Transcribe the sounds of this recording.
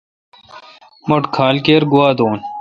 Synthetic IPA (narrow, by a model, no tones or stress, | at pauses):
moʈkʰaːlkeːɾɡuwaːd̪oːn